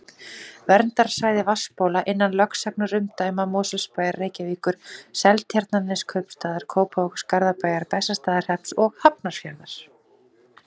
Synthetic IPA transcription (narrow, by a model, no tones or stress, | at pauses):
vɛɾnt̪aɾ̥saːjðɪvaspoːwlaʔɪnːanlœksak̚nʏɾʏmt̪aːjmamɔːsɛlspaːjarːeːjcaviːkʏɾ̥sɛlt̪ʰjaɾt̪nanɪskʰœɥpst̪aːðaɾ̥kʰoːwphowxskaɾðapaːjaɾpɛsːast̪aːðaɾ̥hɛp̪sɔɣhapnaɾ̥fjaɾðaɾ̥